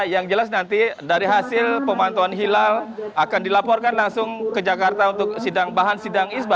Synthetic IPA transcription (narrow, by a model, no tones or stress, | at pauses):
jaŋd͡ʒəlasnant̪idaɾiɦasɪlpəmant̪uanɦilalakandilapɔrkanlaŋsʊŋkəd͡ʒakart̪aunt̪ʊk̚sidaŋbaɦansidaŋisba